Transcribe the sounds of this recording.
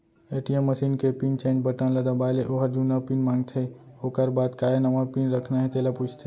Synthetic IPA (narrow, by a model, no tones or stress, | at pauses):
eːʈijəmːəsiːnkepint͡ʃẽːnbəʈãnləd̪abaːleʔoɦəɾd͡ʒunapinmãːŋɡt̪ʰe | oːkəɾbaːd̪kaːenɐʋãpinɾəkʰnaɦɛ̃t̪eːlaput͡ʃʰt̪ʰe